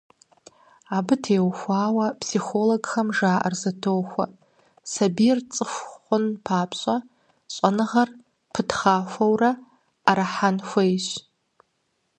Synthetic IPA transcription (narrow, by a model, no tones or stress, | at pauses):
abɨtʰeːwxʷaːwɐpʰsixoloɡxɐmʐaːʔa̰rzɐtʰowxʷa̰ | sabijrt͡sʼɨxʷχʷʊnpʰaːpʰɕʷʼa | ɕʷʼanɨʁɐr | pʰɨtχaːfʷɐwraː | ɾaħanxʷejɕʷ